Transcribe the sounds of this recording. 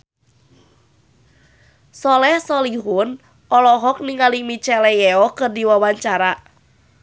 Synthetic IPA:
sɔlɛhsɔliɦun | ʔɔlɔɦɔk̚nɪŋalimit͡ʃɛlɛjɛɔkədiwawaɲt͡ʃaɾa

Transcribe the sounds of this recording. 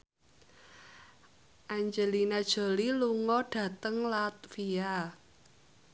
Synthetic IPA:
ʔaɲd͡ʒəlinad̥ʒ̥o̤liluŋɔɖ̥ä̤t̪əŋlat̪̚fia

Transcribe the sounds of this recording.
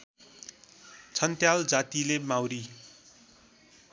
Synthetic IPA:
t͡sʰʌnt̪jald͡zat̪ilemawɾi

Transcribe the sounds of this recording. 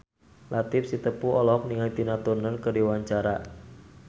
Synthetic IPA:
lʔat̪ifsit̪əpuɔlɔk̚niŋajt̪inat̪urnərkərdiwaɲt͡ʃaɾa

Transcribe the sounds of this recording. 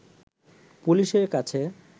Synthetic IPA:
puliʃeɾkat͡ɕʰe

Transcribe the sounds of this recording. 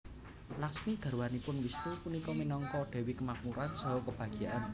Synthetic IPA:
laksmiɡ̥a̤ɾwanipʊnwisnipunikɔminɔŋkɔɖ̪̥ɛ̤wikəmap̚muɾansɔɦɔkəb̥ä̤ɡ̥ijaʔan

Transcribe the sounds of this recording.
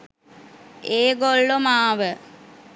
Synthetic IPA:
eːɡolːomaːʋə

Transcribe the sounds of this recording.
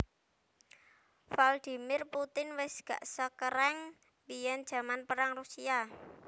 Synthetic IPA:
fald̪̥i̤mɪrput̪ɪnwɪsɡ̥a̤̰ʔsəkəɾɛŋ | bijɛnd̥ʒ̥a̤manpəɾaŋrusia

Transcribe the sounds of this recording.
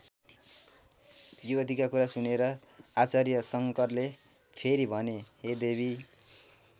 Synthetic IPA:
juʌd̪ʱikakuɾasuneɾʌ | at͡sarjʌsʌŋkʌrle | pʰeɾibʱʌneed̪eβʱi

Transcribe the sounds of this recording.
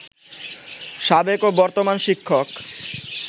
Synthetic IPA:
ʃabekobɔɾt̪omanʃikʰːok

